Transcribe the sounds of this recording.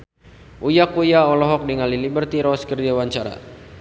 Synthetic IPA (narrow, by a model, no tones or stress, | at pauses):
ʔujakujaɔlɔɦɔk̚diŋalilibərt̪iɾɔskərd͡ʒawaɲt͡ʃaɾa̰